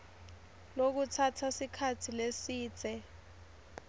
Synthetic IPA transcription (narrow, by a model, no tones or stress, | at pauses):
lok̬utʰatʰasikʰatʰilesiːt͡sɛ